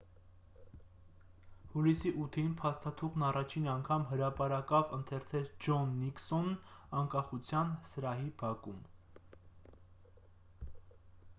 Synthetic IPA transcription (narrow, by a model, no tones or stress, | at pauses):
hulisiʔut̪ʰinpʰɑst̪ɑt̪ʰuʁnɑrɑt͡ʃʰinɑŋkʰɑmɦəɾɑpɑɾɑkɑvənt̪ʰɛɾt͡sʰɛt͡sʰd͡ʒɔnːiksɔnɑŋkɑχut͡sʰjɑnsəɾɑɦibɑkum